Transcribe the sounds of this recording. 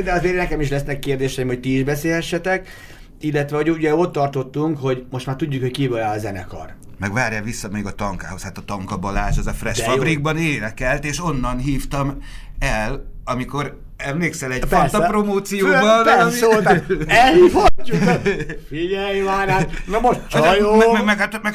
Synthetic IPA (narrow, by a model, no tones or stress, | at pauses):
d̪ɛɒzeːrnɛkɛmiʃ̬lɛsnɛkːeːrd̪eːʃɛimho̞c̚t̪iːʒbɛseːlhɛʃːɛt̪ɛk | ilːɛt̪ʋɛɦo̞ɟuɟɛo̞t̪ːɒrt̪o̞t̪ːuŋkho̞ɟmo̞ʃt̪maːrt̪uɟːukhockiivølaːlɒzɛnɛ̰kɒ̰r | mɛɡʋaːrjaːvisːɒmeɡɒt̪ɒŋka̰ːho̞shaːt̪ɒt̪ɒŋkɒbɒlaːʃɛzɒfrɛʃɛfɒbɾiɡ̚bɒneːnɛkɛlt̪eːʃo̞nːɒnɦiːft̪ɒm | ɛlɒmiko̞ɾ | ɛmleːksɛlɛɟ̥font̪ɒpromoːt̪sijoːbɒɛosoːt̪aɛlhiːfocːu | fiɟɛʋaːnaːmɛmoʃtt͡ʃjoɛmɛmɛkat̪mɛk